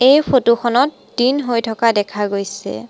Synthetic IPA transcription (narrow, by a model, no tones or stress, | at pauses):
ejpʰotuxʰɔnɔt̚ | dinɦojtʰɔkadɛkʰaɡojsɛ̰